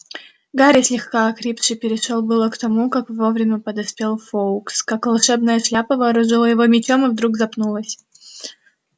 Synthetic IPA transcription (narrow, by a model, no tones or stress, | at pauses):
ɡaɾʲɪsʲlʲɪxkaɐkɾʲipʂɨpʲɪɾʲɪʂolˠbɨlˠəkt̪ɐmukakvovɾʲɪmʲəpəd̪ɐspʲe̞lˠfoʊkskakvɐlˠʂɛbnəjəʂlʲapəvɨːɾʊʐɨlˠəjɪvo̞mʲɪt͡ɕʲo̞mɨvd̪ɾuɡzɐpnulˠəsʲ